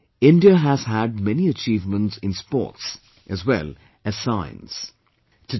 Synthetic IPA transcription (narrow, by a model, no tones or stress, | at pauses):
ɪ̃ndiəɦæz̥ɦæɖ̚mɛniət͡ʃiːvmə̃ntsɪ̃nspɔ̰ːts | ʔɨzwɛ̰l | ɨz̥sãɪ̃nz̥ | tʰɨ